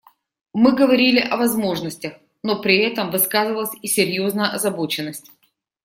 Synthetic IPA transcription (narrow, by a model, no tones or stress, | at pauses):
mɨɡəvɐɾʲilʲɪʔɐvɐzmo̞ʐnəsʲtʲəx | no̞pɾʲɪɛt̪əmvɨskazɨvəlˠəsʲisʲɪɾʲjo̞znəjəʔɐzɐbo̞t͡ɕɪnːəsʲtʲ